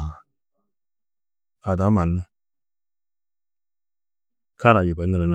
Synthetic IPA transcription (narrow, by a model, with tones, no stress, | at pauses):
a˨da˨˦ma˨n˦u˦ | kʰa˦ɾa˨ji˨ba˨˦nə˨ɾə˨n˦